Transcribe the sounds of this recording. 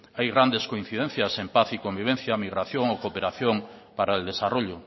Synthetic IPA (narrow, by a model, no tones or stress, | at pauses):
ajɣɾand̪eskoĩn̟θiðẽn̟θjasempaθikombiβ̞ẽnθjamiɣɾaθjoŋokopeɾaθjoŋ | paɾaeld̪esaroʎʊ